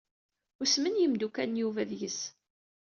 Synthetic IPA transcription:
ʊsmənjəmd̪ukænjuvæðjəs

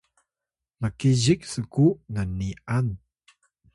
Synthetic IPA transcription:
məkiziksəkunanian

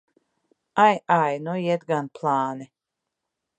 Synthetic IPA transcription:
ajajnujɛd̪ɡanpʰlˠaːnɛ

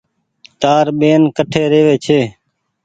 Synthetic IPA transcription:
t̪aːɾɓeːnkəʈʰeːɾeːʋeːt͡ʃʰeː

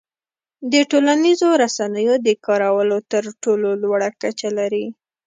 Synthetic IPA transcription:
d̪əʈolanizoɾasanəjod̪əkɑɾawəlot̪əɾʈololwaɽakat͡ʃalaɾi

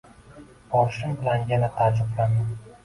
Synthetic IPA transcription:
ɒlʃɪŋbɪlanjanat̪ʰad͡ʒʊqlanɪ

